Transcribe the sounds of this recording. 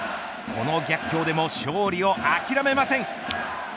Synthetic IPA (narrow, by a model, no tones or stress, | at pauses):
kʰo̞no̞ɡʲakʲːo̞ːd̪e̞mo̞ɕo̞ːɾʲio̞ʔakʲiɾame̞masẽ̞ŋ